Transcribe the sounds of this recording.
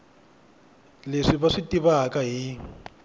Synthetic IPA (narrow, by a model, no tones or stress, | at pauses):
leʂiβaʂitiβaɦakaɦi